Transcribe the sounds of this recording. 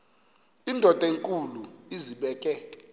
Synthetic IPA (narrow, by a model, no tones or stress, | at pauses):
indʱɔd̥ʱʼeŋkʼuluiziɓɛːkʼɛ